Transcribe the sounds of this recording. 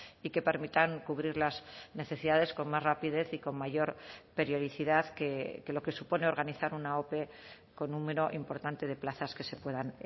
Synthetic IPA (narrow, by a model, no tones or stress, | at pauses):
ike̞pe̞ɾmit̪aŋkuβɾiɾlazne̞θe̞siðaðe̞sko̞nmazrapið̞e̞θiko̞mmaʝo̞ɾpeɾjo̞ðiθiðaðkeke̞lo̞ke̞supo̞ne̞o̞ɾɣaniθaɾunao̞pe̞ | ko̞nːũme̞ɾo̞ʔimpo̞ɾt̪ant̪e̞ð̞e̞plaθaske̞se̞pwe̞ðan